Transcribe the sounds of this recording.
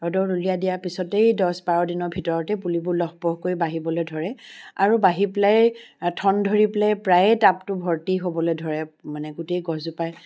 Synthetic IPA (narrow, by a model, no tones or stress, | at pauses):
ɔdɔɹulijadijapisɔtejdɔsbaɹɔdinɔɹbʱitɔɹɔtɛpulibʊlɔxbɔhkojbaɦibɔlojdʱɔɹɛaɹubaɦiplajtʰɔndʱoɹiplajpɹajtaptʊbʱɔɹtiɦobɔlojdʱɔɹɛmanɛɡuteɡɔzʊpaj